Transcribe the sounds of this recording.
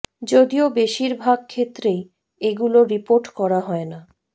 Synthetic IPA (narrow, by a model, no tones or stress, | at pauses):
d͡ʑod̪iobeʃiɾbʱaɡ̚kʰet̪ːɾej | eɡuloɾipoɾʈkɔɾaɦɔena